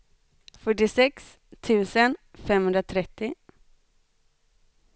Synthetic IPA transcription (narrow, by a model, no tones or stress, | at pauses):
fœʈːɪsɛks | t̪ʰʉ̟ːsənfɛmhɵnd̪ɾat̪ʰɾɛt̪ːɪ